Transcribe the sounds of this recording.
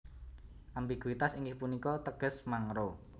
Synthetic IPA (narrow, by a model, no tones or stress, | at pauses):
ʔambiɡ̥uit̪asiŋɡɪhpunikɔt̪əɡ̥ə̤smaŋɾo